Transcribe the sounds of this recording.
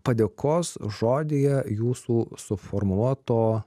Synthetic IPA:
pɐd̪ʲeːkʰoːsʒoːd̪ʲeːjɛjuːsuːsʊfoɾmuɔt̪oː

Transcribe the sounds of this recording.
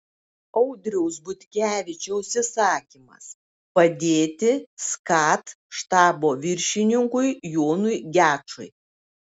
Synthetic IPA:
ɒʊd̪ʲɾʲɛʊsbʊt̪ʲkʲæːʋʲɪt͡ʃʲɛʊʃʲsʲɪsɑːkʲimɐ̰s | pɐd̪ʲeːt̪ʲɪskɑːt̪ | ʃt̪ɑːboːʋʲɪɾʲʃʲɪnʲɪŋkʊjjoːnʊjɡʲæːt͡ʃʊ̰ɪ

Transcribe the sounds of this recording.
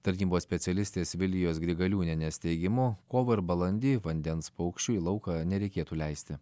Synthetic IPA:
t̪ɐɾʲnʲiːboːssʲpʲɛt̪sʲɛlʲɪsʲt̪ʲeːsʋʲɪlʲɡʲɪjoːs̬ɡɾʲɪɡɐlʲuːnʲɛnʲɛsʲt̪ʲɛɪɡʲɪmʊkoːʋɐɪɾbɐlˠɐnʲd̪ʲiːʋɐnʲd̪ʲɛnspɐʊkʃʲt͡ʃʲuːiːlˠɐʊkɑnʲɛɾʲɛɪkʲeːt̪uːlʲɛɪsʲt̪ʲɪ

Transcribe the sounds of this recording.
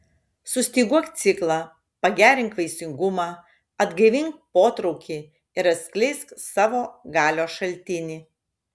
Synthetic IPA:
sʊsʲt̪ʲiːɡuɔkt̪sʲɪklˠɑ | pɐɡʲæːɾʲɪŋkʋɐɪsʲɪŋɡʊmɑː | ɐd̪ɡɐɪʋʲɪŋk̚poːt̪ɾɔʊkʲiː | ɪɾɐt̪sʲkʲlʲɛɪsksɑːʋoːɡɑːlʲoːʃɐlʲt̪ʲɪnʲiː

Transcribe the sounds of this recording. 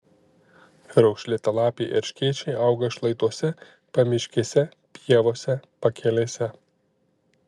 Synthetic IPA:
ɾɔʊkʃʲlʲɪt̪ʲɐlˠɑːpʲeɪʔɛɾʲʃʲkʲiɛt͡ʃʲɛɪʔɐʊɡɐʃlˠɐɪt̪uɔsʲɛ | pɐmʲɪʃʲkʲiːsʲɛ | pʲiɛʋoːsʲɛpɐkʲɛlʲeːsʲɛ

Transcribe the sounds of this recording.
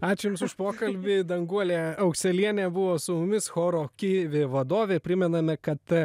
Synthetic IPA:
ɑːt͡ʃʲɛjʊmsʊʃpoːkɐlʲbʲɪd̪ɐŋɡuɔlʲeːɐʊksʲɛlʲiɛnʲeːbʊʋoːsʊmʊmʲɪsxoːɾoːkʲiʋʲeːʋɐd̪oːʋʲeːpʲɾʲɪmʲɛnɐmʲɛkɐt̪

